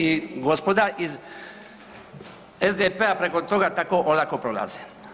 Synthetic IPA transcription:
iɡospod̪aʔiz | ezd̪epeapɾekot̪oɣat̪akoʔolakopɾoɣa̰t͡se

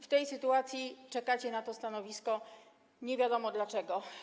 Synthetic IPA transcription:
ft̪ɛjsɘt̪uat̪sʲjit͡ʂɛkat͡ɕɛnat̪ɔst̪anɔvʲiskɔ | ɲɛvʲjad̪ɔmɔd̪lat͡ʂɛɡɔ

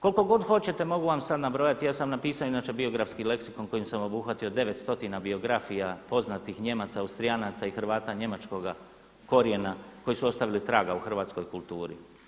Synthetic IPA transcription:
ko̞lko̞ɡo̞d̪xo̞t͡ɕe̞t̪e̞mo̞ɡuʋamsad̪nabɾo̞jat̪ijaːsamnapiːsaoinaːt͡ʃe̞bio̞ɡɾafskile̞ksiko̞nko̞jimsamo̞buxʋat̪io̞d̪e̞ʋet̪st̪o̞t̪inabio̞ɡɾafijapo̞znat̪ixɲe̞mat̪saːust̪ɾijanat̪saixr̩ʋaːt̪aɲe̞mat͡ʃko̞ɡa | ko̞ɾje̞nako̞jisuo̞st̪aʋilit̪ɾaːɡauxr̩ʋaːt̪sko̞jkulˠt̪uːɾḭ

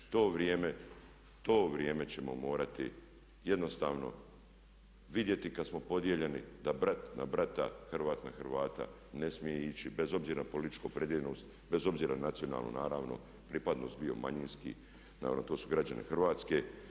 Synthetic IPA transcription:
t̪o̞ːʋɾjeːme̞ | t̪o̞ːʋɾje̞ːme̞t͡ɕe̞mo̞mo̞ːɾat̪ḭ | je̞d̪no̞st̪aːʋno̞̰ | ʋid̪je̞t̪ikad̪smo̞po̞d̪jeʎe̞nid̪abɾat̪na̰bɾat̪a̰xrʋaːt̪naxɾʋaːt̪a̰ | ne̞smijeit͡ɕibe̞zo̞bziːɾanapo̞lit̪i̥t͡ʃkopɾe̞d̪jeʎenoːst̪ | be̞zo̞bziːɾanat̪sio̞na̰ːlˠnṵnaːɾaːʋno̞̰ | pɾipad̪no̞st̪bio̞̰ma̰ɲinskḭ | na̰ːa̰not̪o̞ːsuɡɾad͡ʑanʔḛxr̩ʋaːt̪ske̞

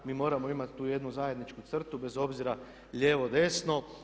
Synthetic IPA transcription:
miːmo̞ːɾamo̞imat̪t̪uːje̞d̪nuzaje̞d̪nit͡ʃkut̪sr̩t̪ube̞zo̞bziɾa | ʎe̞ːʋo̞d̪e̞sno̞

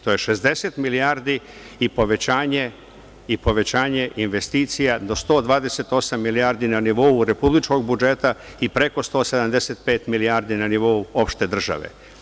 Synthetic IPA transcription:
t̪o̞je̞ʃe̞zd̪e̞se̞t̪milijaːɾd̪i | ipo̞ʋe̞t͡ɕaːɲe̞ | ipo̞ʋe̞t͡ɕaːɲe̞ʔinʋe̞st̪iːt̪sijad̪o̞st̪o̞ːd̪ʋaːd̪ese̞t̪o̞samːiliaːɾd̪inaniʋo̞uɾe̞publit͡ʃko̞ɡbud͡ʒe̞t̪a | ipɾe̞ko̞st̪o̞ːse̞d̪amd̪e̞set̪̚pe̞ːt̪milijaːɾd̪inaniʋo̞uo̞pʃt̪e̞d̪r̩ʒa̰ʋḛ

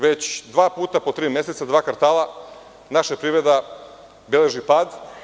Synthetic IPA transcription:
ʋet͡ɕd̪ʋaːpuːt̪apot̪ɾiːmjeset̪sad̪ʋaːkaɾt̪aːlˠa | naʃapɾiʋɾe̞d̪a | bele̞ʒipaːd̪

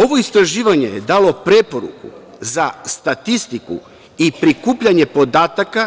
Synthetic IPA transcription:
o̞ʋo̞ist̪ɾaʒiːʋaɲe̞jed̪aːlo̞pɾe̞po̞ɾṵkṵ | zast̪at̪ist̪ikṵ | ipɾikuːpʎaɲe̞po̞d̪aːt̪aka

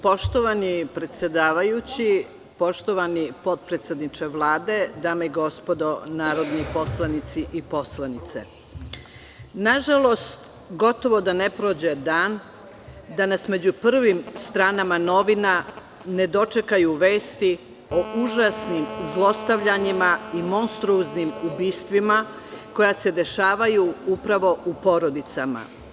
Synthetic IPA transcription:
po̞ʃt̪oʋanipɾet̪sʲje̞d̪aːʋajut͡ɕi | po̞ʃt̪oʋanipo̞t̪̚pɾet̪sjed̪nit͡ʃeʋlˠaːd̪e̞d̪aːmeiɡo̞spo̞d̪o̞naːɾo̞d̪nipo̞slˠanit̪siʔipo̞slˠanit̪sḛ | naʒalˠo̞st̪ | ɡo̞t̪o̞ʋo̞d̪ane̞pɾoːd͡ʑed̪aːn | d̪anasme̞d͡ʑupr̩ʋimst̪ɾaːnamano̞ʋina | ne̞d̪o̞t͡ʃe̞kajuʋe̞ːst̪i | o̞ʔuʒasnimzlˠo̞st̪aʋʎaɲimaimo̞nst̪ɾuznimubiːst̪ʋima | ko̞jase̞d̪e̞ʃaːʋajuupɾaʋo̞ʔupo̞ɾo̞d̪it̪sama̰

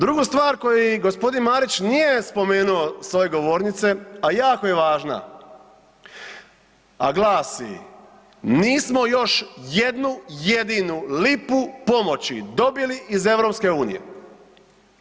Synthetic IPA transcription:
d̪ɾuɡust̪ʋaːɾko̞jiɡo̞spo̞d̪inmaːɾit͡ɕnije̞spo̞me̞ːnuo̞sʋo̞je̞ɡo̞ʋoːɾnit̪se̞ajaːko̞je̞ʋaːʒna̰ | a̰ɡlˠaːsḭ | niːsmo̞jo̞ʃje̞d̪nujed̪inulipupo̞mo̞t͡ɕid̪o̞biliʔize̞ʋɾo̞ːpske̞uːnḭje̞̰

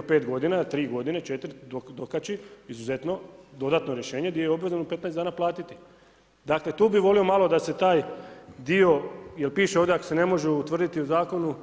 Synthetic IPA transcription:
opeːt̪ɡo̞d̪inat̪ɾiːɡo̞d̪inet͡ʃe̞t̪ɾd̪od̪okat͡ɕiizuze̞t̪no̞d̪o̞d̪at̪no̞ɾjeʃe̞ːɲed̪iojo̞bʋe̞zanupe̞t̪naɛeszd̪aːnaplˠaːt̪it̪i̥ | d̪akle̞t̪uːbiʋo̞lio̞malˠod̪ase̞t̪aːjd̪io̞jelpiːʃeo̞ʋd̪eakose̞ne̞mo̞ʒeut̪ʋr̩d̪it̪iuzaːko̞nu

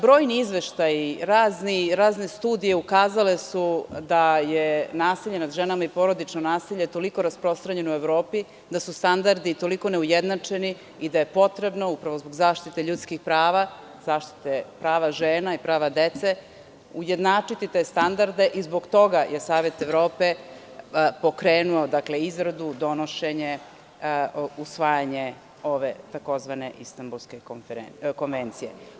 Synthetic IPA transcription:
bɾo̞ːjniizʋeʃt̪ajiɾaːzniɾaːzne̞st̪uːd̪ije̞ukaːzale̞sud̪ajenaːsiʎenad̪ʒenamaipo̞ɾo̞d̪it͡ʂnonaːsiʎe̞t̪o̞liko̞ɾaspɾo̞st̪ɾaɲe̞noueʋvɾo̞ːpi | d̪asust̪and̪aɾd̪it̪o̞liko̞neujed̪nat͡ʂeni | id̪aje̞po̞t̪ɾe̞bno̞upɾaʋo̞zboɡzaːʃt̪it̪e̞ʎut̪skixpɾaːʋa | z̥aːʃt̪i̥t̪epɾaːʋaʒeːnaipɾaːʋad̪et̪se | ujed̪naːt͡ʂit̪it̪e̞ːst̪and̪aɾd̪e̞ʔizbo̞ɡt̪o̞ɡajʔe̞saːʋe̞t̪eʋvɾo̞ːpe̞ | po̞kɾeːnuod̪akleizɾad̪ud̪o̞noʃeɲe | usʋaːjaɲe | o̞ʋet̪ako̞zʋane̞ʔist̪ambulˠske | ko̞nʋent̪sijḛ

